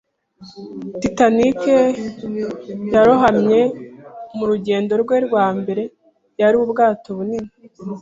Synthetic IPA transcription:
titanike | jaɾoɦamɲe̞ | muɾuɟe̞ːndo̞ɾɡweɾɡwaːmbe̞ɾe̞ | jaɾiubɡaːtoβunimi

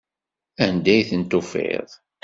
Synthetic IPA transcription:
ænd̪æjθənt̪ʊfḛðˤ

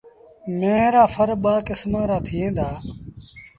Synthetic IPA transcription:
mẽːɾaːfʰəɾɓaːkɪsmãːɾaːt̪ʰɪjẽːd̪aː

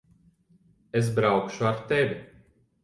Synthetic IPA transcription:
es̬bɾawkʃuaɾt̪ɛvʲi

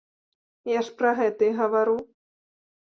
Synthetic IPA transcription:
jaʂpɾɐɣɛt̪ɐiɣɐvaɾu

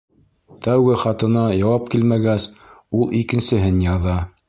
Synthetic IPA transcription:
t̪æwɡɘχɑt̪ɤ̆nɑjɑwɑp̚kilmæɡæsulˠʔikɘ̆nsɘ̆ɦɘnjɑðɑ

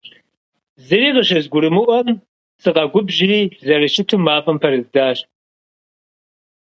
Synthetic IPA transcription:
zɨriːqəɕɐzɡʷʊɾɨmɨʔʷɔm | sɨqɐɡʷʊbʒɪriːzɐrɨʃɪtʰumaːpʼɐmpʰɐɾɨzdaːɕ

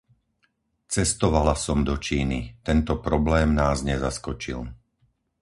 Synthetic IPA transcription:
t͡sɛst̪ɔʋalasɔmd̪ɔt͡ʃiːnit̪ɛnt̪ɔpɾɔblɛːmnaːzɲɛzaskɔt͡ʃḭl

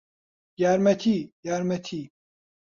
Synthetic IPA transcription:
jaːɾmɛt̪ʰiːjaːɾmɛt̪ʰiː

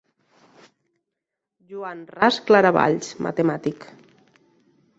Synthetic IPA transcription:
ʒuanrasklaɾaβa̰ʎt͡ʃmʔa̰t̪emat̪ik

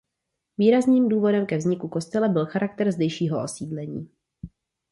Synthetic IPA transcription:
viːɾazniːmduːvo̞dɛmkɛvzɲɪkuko̞st̪ɛlɛbɪlxaɾak̚t̪ɛɾzdɛjʃiːɦoosiːdlɛɲiː

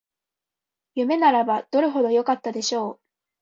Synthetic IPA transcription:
jɯ̟me̞naɾabad̪̥o̞ɾɯ̟ɦo̞d̪o̞jo̞kat̪ːad̪e̞ɕo̞ː

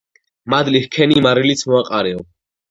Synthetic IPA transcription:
mad̪lihkʰɛnimaɾilit̪sʰmɔaqʼaɾɛɔ

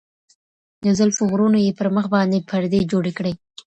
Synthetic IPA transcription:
nʊzalfʊɣɾunojepəɾməxbɑnd̪epʰaɾd̪ed͡ʒoɽekɽe

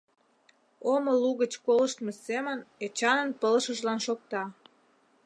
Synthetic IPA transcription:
omə̆luɣət͡ɕkoləʃt̪mesemənet͡ɕɑnə̆npələʃəʒlɑnʃok̚t̪ɑ

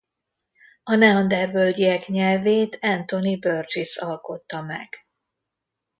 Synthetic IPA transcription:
ɒnɛɒnd̪ɛrbøldiɛkɲɛlveːt̪ʰɛnt̪o̞nibørd͡ʒisɒlko̞t̪ːɒmɛ̰ɡ̥

